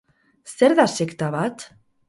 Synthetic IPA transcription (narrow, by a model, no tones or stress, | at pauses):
st̪ɛɾðasɪkt̪avat̪